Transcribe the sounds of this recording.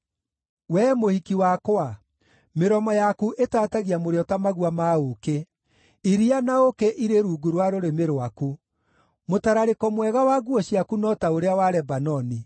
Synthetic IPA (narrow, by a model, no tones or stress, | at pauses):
wɛmohikiwakoa | meɾɔmɔjakuʔetaːtaɣiamoɾeɔtamaɣuamaoke | iɾianaokɛʔiɾeɾuːɡuɾwaɾoɾemeɾowaku | motaɾaɾekɔmwɛɣawaɣuɔɕiakunɔtaoɾeawaɾɛbanɔni